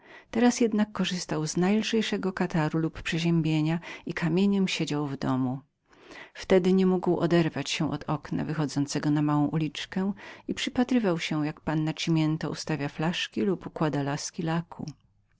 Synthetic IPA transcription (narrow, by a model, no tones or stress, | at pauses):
t̪ɛɾasjɛd̪nakːɔʐɘst̪awznajlʐɛjʂɛɡɔkat̪aɾuluppʂɛʑɛmbʲjeɲaikʰamʲjeɲɛmɕed͡ʑawvd̪ɔmu | ft̪ɛd̪ɘɲɛmuɡwɔ̰d̪ɛɾvat͡ɕɕɛ̃ʔɔd̪ɔkna̰vɘxɔd̪zɔnt̪sɛɡɔnamawɔ̃ʔulʲit͡ʂkɛipʂɘpat̪ɾɘvawɕɛjakpanːat͡ɕimʲjɛnt̪ɔṵst̪avʲjaflaʂkʲilupukwad̪alaskʲilakʰṵ